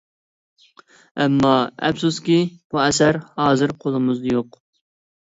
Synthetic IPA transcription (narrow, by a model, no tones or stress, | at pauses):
ɛmːɑɛ̰psuskʲib̥uɛsæɾhɑːzɨɾqʰolˠɨmɨzd̪joq